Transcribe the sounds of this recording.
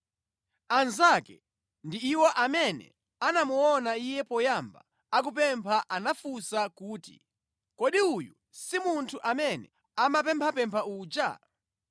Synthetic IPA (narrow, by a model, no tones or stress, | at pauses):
anzakɛ̰ | ndiːwɔʔamɛnɛ̰ | anamuɔnaijɛpɔjamba̰ | ak̬up̬ɛmpʰaʔanafusakuːtḭ | kɔɗiuju | simuntʰuʔamɛnɛ̰ | amap̬ɛmpʰapɛmpʰauːd͡ʒa̰